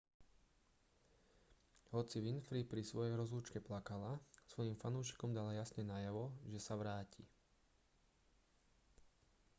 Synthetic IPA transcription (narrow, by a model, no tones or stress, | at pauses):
ɦɔt͡siʋinfɾiːpɾisʋɔjɛjɾɔzluːt͡ʃkɛplakalasʋɔjimfanuːʃi̥kɔmd̪alajasɲɛnaːjaʋɔʒɛsaʋɾaːci